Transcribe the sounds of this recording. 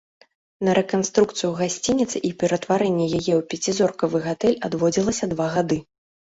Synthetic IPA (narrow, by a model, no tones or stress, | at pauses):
nɐɾʔɛkanst̪ɾukt̪sɨjuɣasʲt͡sʲinʲit̪sɨʔipʲɛɾɐt̪vaɾɛnʲːɛjajɛwpʲɛt͡sʲizɔrkɐvɨɣat̪ɛlʲad̪vɔd͡zʲilˠɐsʲɐd̪vaɣad̪ɨ